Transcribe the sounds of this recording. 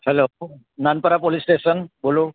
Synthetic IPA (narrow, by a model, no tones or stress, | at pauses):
hɛlo | nanpaɾapolistesɔnbolʊ